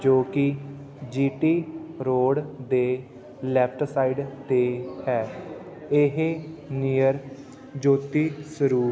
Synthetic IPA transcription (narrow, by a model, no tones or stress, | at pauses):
d͡ʒoːkɪ | d͡ʒiːʈiːɾoːɽd̪eː | lɛːpʰʈʰsaːiɖd̪eːhɛː | ɪɦeniːjəɾ | d͡ʒoːt̪iːsəɾuː